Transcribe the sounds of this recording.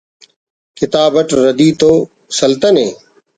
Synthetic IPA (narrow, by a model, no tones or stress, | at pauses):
kɪt̪aːbəʈɾəd̪iːt̪oː | səlt̪əneː